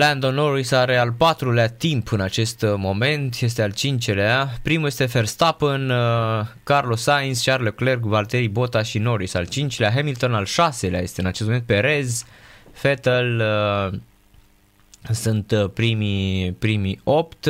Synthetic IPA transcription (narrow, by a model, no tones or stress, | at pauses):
land̪onːo̞ɾisaɾe̞alpat̪ɾuleat̪impʰɨnat͡ʃe̞st̪mo̞me̞nt̪je̞st̪ealt͡ʃint͡ʃeleapɾimuje̞st̪e̞ferst̪apən | karlo̞sainst͡ʃarlokle̞rkvalt̪eɾibo̞t̪aʃino̞ɾisa̰lt͡ʃint͡ʃeleaɦemilt̪o̞nalʃase̞lea̰je̞st̪eɨnat͡ʃestmoent̪̚peɾe̞zfet̪əl | sunt̪pɾimipɾimio̞pt̪